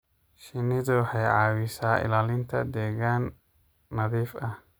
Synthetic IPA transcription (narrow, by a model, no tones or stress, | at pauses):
ʃɪnɪðʊħɑjʕɑːwɪsaːʔɪ̰laːlɪnt̪ʰɐ̰d̪ɛːɣaːnː | ɐðiːfɐh